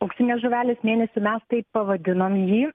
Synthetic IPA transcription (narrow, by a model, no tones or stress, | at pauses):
ɐʊksʲɪnʲeːsʒoʋʲæːlʲesmʲeːnʲɛsʲɪmʲɛst̪ɐɪppɐʋɐd̪ʲɪnoːmjiː